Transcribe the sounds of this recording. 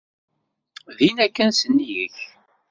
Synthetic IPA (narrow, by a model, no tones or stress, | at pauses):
ðinækːænsənːijə̰ç